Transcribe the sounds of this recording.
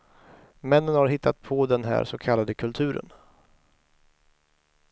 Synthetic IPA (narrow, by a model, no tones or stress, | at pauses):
mɛnːənhaɾɦɪt̪ʰːat̪̚pʰɔd̪ɛnɦæ̰ːɾsɔkʰalːad̪əkʰɵlt̪ʰʉ̟ːɾə̰n